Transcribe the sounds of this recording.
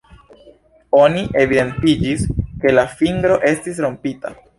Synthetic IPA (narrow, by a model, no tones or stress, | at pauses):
o̞niʔe̞vide̞ntid͡ʒiske̞lafiŋɡɾo̞ʔe̞stis̬ɾo̞mpita̰